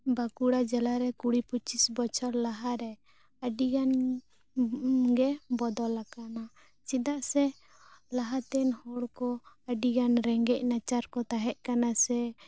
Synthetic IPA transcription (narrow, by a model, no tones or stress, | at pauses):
bakuɽad͡ʒɛlaɾɛkuɽiput͡ʃisbɔt͡ʃʰɔɾlaɦaɾɛ | əɖiɡan | ɡɛbɔd̪ɔlakana | t͡ʃid̪aʔsɛ | laɦat̪ɛnhɔɽkɔ | əɖiɡanɾɛŋɡɛc̚nat͡ʃaɾkɔt̪aɦɛʔ̚kanasɛ